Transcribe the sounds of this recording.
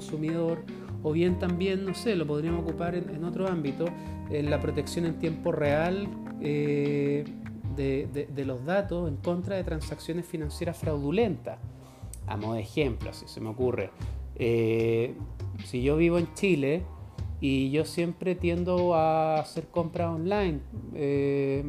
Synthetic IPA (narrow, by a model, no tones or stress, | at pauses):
nsumiðoɾ | oβje̞nt̪ambje̞nːo̞se̞lo̞p̬o̞ðɾiamookupaɾeneno̞t̪ɾoambit̪o | enlapɾo̞t̪eksjo̞ne̞nt̪je̞mpo̞real | e | d̪ed̪ed̪e̞lo̞zðat̪ose̞ŋko̞nt̪ɾaðet̪ɾansaksjo̞nesfinansje̞ɾasfɾawðule̞nt̪a | a̰moðexe̞mploasise̞meo̞kure̞̰e | siʝo̞βiβ̞oe̞nt͡ʃile̞ | iʝo̞sje̞mpɾet̪je̞nd̪oaːse̞ɾko̞mpɾaonlajne